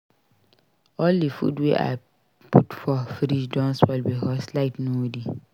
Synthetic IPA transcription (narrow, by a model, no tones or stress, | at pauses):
ɔldifṵdwḛʔa̰ | pʰutfɔfiɾid͡ʒdɔ̃nswɛlbihɔslaɪtnũwodi